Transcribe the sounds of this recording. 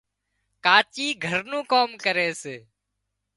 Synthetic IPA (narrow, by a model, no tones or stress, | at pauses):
kaːt͡ʃiːɡʱəɾnũːkoːmkəɾeːseː